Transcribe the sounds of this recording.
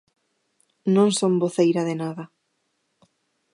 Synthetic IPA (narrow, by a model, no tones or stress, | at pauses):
nõŋsomboθejɾaðɪnaðɐ